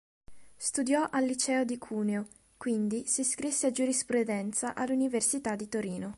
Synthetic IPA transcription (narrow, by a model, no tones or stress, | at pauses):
st̪ud̪jɔʔalːit͡ʃɛːod̪ikʰuːneo | kwind̪isiskɾisːead͡ʒuɾispɾud̪ɛnt̪saʔalːuniversit̪ad̪ːit̪oɾiːno